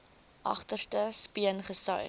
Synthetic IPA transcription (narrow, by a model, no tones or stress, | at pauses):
ʔɐ̰χtərstəspiənχəsœj